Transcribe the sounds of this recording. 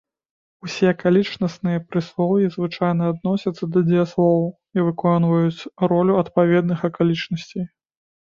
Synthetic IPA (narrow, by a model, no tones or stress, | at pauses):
usʲɛɐkalʲit͡ʂnɐsnɨjɐpɾɨslˠɔwjizvɨt͡ʂajnɐːd̪̚nɔsʲɐt̪sːɐd̪ɐd͡zʲɛjaslˠɔw | ivɨkɔnvɐjut͡sʲrɔlʲuɐt̪pavʲɛd̪nɨxɐkalʲit͡ʂnɐsʲt͡sʲej